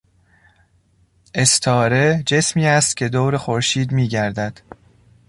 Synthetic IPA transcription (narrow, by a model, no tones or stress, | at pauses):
ʔe̞st̪ʰɒːɾe̞d͡ʒe̞smiːæst̪̚cʰe̞d̪oːwɾexoɾʃiːd̪miːɟæɾd̪æd̪̥